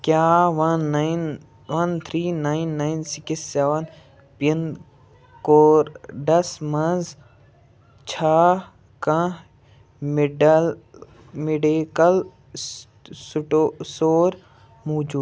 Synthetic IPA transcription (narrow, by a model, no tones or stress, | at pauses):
kjaːʋɐnːjn | ʋɐnt̪ʰɾiːnainːajnsikisɛʋɐn | pin | koːɾɖɐsmɐz | t͡ʃʰaː | kɐ̃ | mɖl | meɖikɐl | suʈosoːɾ | moːd͡ʒuːd̪